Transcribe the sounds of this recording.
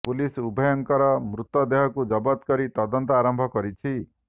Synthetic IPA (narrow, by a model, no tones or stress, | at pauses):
pulisubʱɔjɔŋkɔɾɔmɾut̪ɔd̪eɦɔkud͡ʒɔbɔt̪kɔɾit̪ɔd̪ɔnt̪ɔaɾɔmbʱɔkɔɾit͡ʃʰi